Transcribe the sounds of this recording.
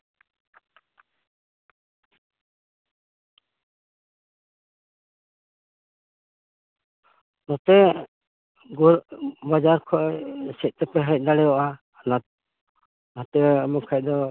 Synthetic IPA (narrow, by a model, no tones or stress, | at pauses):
nɔt̪ɛ | ɡuɾbad͡ʒaɾkʰɔʔsɛc̪̚t̪ɛpɛɦɛc̚d̪aɽɛjɔʔaː | nat̪̚ | nɔt̪ɛmɔkʰac̚d̪ɔ